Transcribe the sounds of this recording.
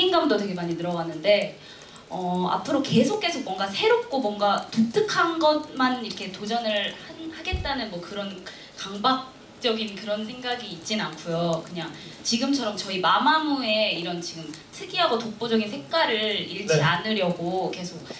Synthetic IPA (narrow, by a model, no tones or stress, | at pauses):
iŋɡamdotwe̞ɡe̞maɲinɯɾʌɡanːɯnde̞ | ʌa̰pʰɯɾoke̞sʰok͈e̞sʰok̚wʌŋɡasʰe̞ɾop̚k͈omwʌŋɡatotʰɯkʰanɡʌt̚maniɾʌkʰe̞tod͡ʑʌnɯɭhanhaɡe̞t̚t͈anɯnmwʌkɯɾʌn | kaŋbak̚ | t͡ɕ͈ʌɡinkɯɾʌns̬ʰe̞ŋɡaɡiːt̚t͡ɕ͈inankʰujokɯɲaŋt͡ɕiɡɯmt͡ɕʰʌɾʌmt͡ɕʌimamamue̞iɾʌnt͡ɕiɡɯm | tʰɯɡiɦaɡotok̚p͈od͡ʑʌɡinsʰekk͈aɾɯiɭt͡ɕianɯɾjʌɡoke̞sʰok̚